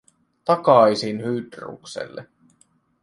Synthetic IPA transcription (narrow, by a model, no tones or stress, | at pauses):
t̪ɑkɑjsinhyːd̪rṵːksḛlːḛ